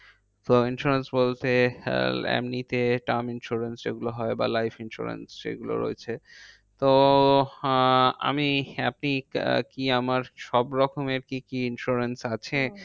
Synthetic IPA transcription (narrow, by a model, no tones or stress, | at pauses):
t̪oinʃuɾensbolt̪e | ɛ̰mnit̪eʈaminʃuɾensd͡ʑḛɡuloɦɔeba̰lajfʰinʃṵɾḛnsḛɡulo̰ɾo̰et͡ɕʰe | t̪o | a̰miap̚nikiamaɾʃɔbɾɔkomeɾkikiinʃuɾensat͡ɕʰe